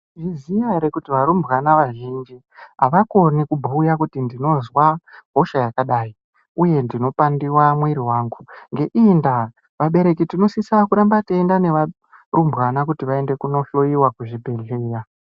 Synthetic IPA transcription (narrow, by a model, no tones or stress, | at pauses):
ʐizijaɾekutiʋaɾumbɣanaʋaʒind͡ʒi | ɦa̰ʋako̞nikubʱuːjakutindino̞zwaɦo̞ʃajakaɗai | uje̞ndino̞pandiwamweɾiwaːŋɡuŋɡe̞ʔinda | ʋaɓe̞ɾe̞kitino̞sisakuɾambateendane̞ʋa | rumbɣanakutiʋae̞nde̞kuno̞ɬo̞iwakuʐibʱe̞ɮeːja